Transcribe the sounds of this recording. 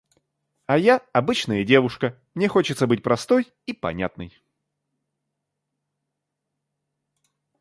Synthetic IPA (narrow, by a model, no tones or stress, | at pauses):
ɐjaɐbɨt͡ɕnəjədʲe̞vʊʂkə | mnʲe̞xo̞t͡ɕɪt̪səbɨt̚ʲpɾɐst̪o̞j | ipɐ̰nʲa̰t̪nɨ̰j